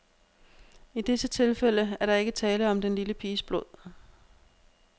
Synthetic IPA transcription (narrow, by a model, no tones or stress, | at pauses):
id̥e̝sət͡sʰe̝lfel̰əæɐɾɑ̈e̝ɡ̥ət͡sʰɛːləɒ̽md̥enliləpʰiːsb̥loð̰ˠ